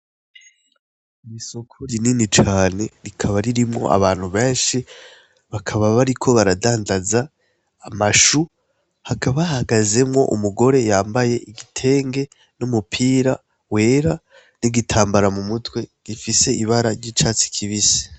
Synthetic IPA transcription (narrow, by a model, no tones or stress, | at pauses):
imisokʰuɾininit͡ʃaːne̞ɾikʰaβaɾiɾimŋo̰ʔa̰βaːn̥huβe̞ːnʃi | βakʰaβaβaɾikʰo̞βaɾadaːndazaː | maʃu | hakʰaβahaɡaze̞mŋo̞̰ʔṵmuɡo̞ɾe̞jaːmbaje̞ʔiɡitʰe̞ːŋɡe̞ | numupʰiːɾa | we̞ːɾa | niɡitʰaːmbaɾamumutwe̞ɡ̥ifise̞iβaɾaɾɟiːt͡ʃaːt͡si̥kʰiβise̥